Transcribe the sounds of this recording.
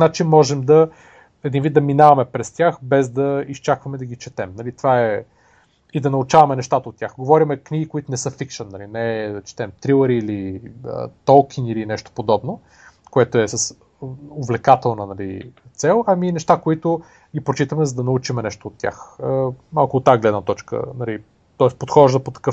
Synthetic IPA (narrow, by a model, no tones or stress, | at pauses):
nat͡ʃimɔʒɛmd̪ɐ | ɛd̪invit̪d̪ɐminavɐmɛpɾɛst̪ʲjaxbɛzd̪ɐist͡ʃakvɐmɛd̪ɐɡit͡ʃɛt̪ɛmnɐlit̪vaɛ | id̪ɐnɐʊt͡ʃavɐmɛnɛʃt̪at̪əot̪̚ːʲjaxɡovɔɾʲimɛkniɡʲikoit̪ʊnɛsɤfikʃənːɐlinɛt͡ʃɛ̥t̪ɛmt̪ɾilˠəɾiːliə̰t̪ɔlˠkʰʲinilinɛʃt̪o̥pod̪ɔbno | koɛt̪oɛsɐs | ovlɛkat̪ɛlˠnənɐlḭ | t̪sɛlˠɐminɛʃt̪akoit̪ʊ | ɡipɾot͡ʃit̪əmɛzɐd̪ɐnɐut͡ʃimɛnɛʃt̪oːt̪ːʲja̰xəmalˠkʊot̪ːaɡlɛd̪nət̪ɔt͡ʃkə̰nɐli | t̪ɔɛspot̪xɔʒd̪əpot̪ɐ̥kɤf